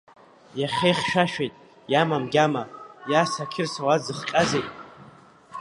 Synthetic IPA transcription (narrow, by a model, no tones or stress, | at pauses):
jaχʲejχʲʃᶣaʃᶣejtʼ | jamamɡʲamajasakʲʰɪrsowad͡zɨχqʲʼazejtʼ